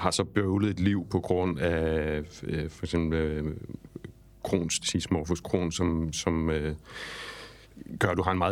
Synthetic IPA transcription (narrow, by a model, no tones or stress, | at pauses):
hɑ̈sɒ̽b̥øʊləð̩ˠe̝d̥liʊ̰pʰɒ̽ɡ̥ʁɔ̽n̰æ | fɒ̽ɡ̥sem̰b̥l̩ | kʰʁo̝̰ːnst͡sʰismɒfuskʰʁo̝̰ːnsɒ̽msɒ̽m | ɡ̥ɶɐɾuɦɑ̈e̝nmɑ̈ð